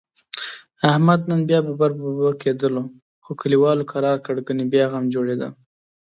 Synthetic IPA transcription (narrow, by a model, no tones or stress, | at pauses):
ahmad̪nənbjɑbəbaɾbbaked̪əlo | xokəliwɑlokʰaɾɑɾkəɽɡənibjɑɣamd͡ʒoɽed̪a̰